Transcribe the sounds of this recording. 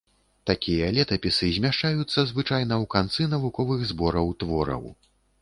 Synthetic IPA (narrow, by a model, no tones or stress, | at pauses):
t̪akʲijɐlʲɛt̪ɐpʲisɨzʲmʲaʂt͡ʂajut̪sːɐzvɨt͡ʂajnɐwkant̪sɨnɐvukɔvɨɣzbɔɾɐwt̪vɔɾɐ̰w